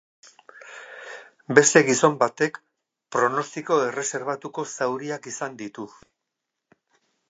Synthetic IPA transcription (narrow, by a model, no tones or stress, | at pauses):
be̞st̪e̞ɣiso̞mbat̪e̞k | pɾo̞no̞st̪iko̞e̞re̞se̞ɾβ̞at̪uko̞sawɾiakisand̪it̪u